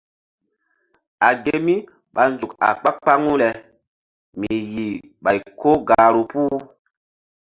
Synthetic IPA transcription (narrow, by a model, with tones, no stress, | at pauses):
a˨ɡe˦mi˦ | ɓa˨nzu˨ka̰˨k͡pa˦k͡pa˦ŋu˦lɛ˨ | mi˨ji˨ | ɓa˨jko˦ɡa˨ɾu˨puː˦